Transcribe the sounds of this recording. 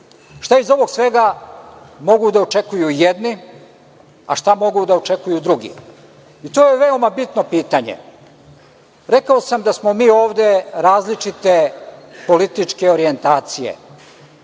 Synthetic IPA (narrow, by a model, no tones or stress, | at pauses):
ʃt̪aizo̞ʋo̞ɡsʋe̞ɡa | mo̞ɡud̪aot͡ʃe̞kujujed̪ni | a̰ʃt̪amo̞ɡud̪aot͡ʃe̞kujud̪ɾuɡḭ | it̪o̞ːje̞ʋe̞omabit̪no̞piːt̪aɲḛ | ɾe̞kao̞samd̪asmo̞miːo̞ːʋd̪e̞ɾaːzlit͡ʃit̪e̞po̞lit̪it͡ʃke̞o̞ɾie̞nt̪aːt̪sijḛ